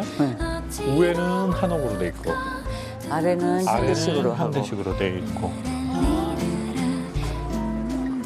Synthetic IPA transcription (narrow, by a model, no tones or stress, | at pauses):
e | uwe̞nɯnhanoɡɯɾodwe̞ik͈o̰ | aɾenɯnaɾesiɡɯɾoamdeɕʰiɡɯɾode̞ik͈o